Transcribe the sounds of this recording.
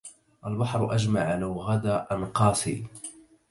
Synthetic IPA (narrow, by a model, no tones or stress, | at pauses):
ʔalbɑħɾˤʔad͡ʒmaʕalawɣad̪aʔanqɑːsḭː